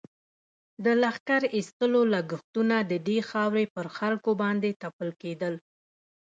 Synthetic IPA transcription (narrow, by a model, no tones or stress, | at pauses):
d̪əlaxkaɾist̪əlolaɡəxt̪unad̪əd̪exɑwɾepəɾxalkobɑnd̪et̪apəlked̪əl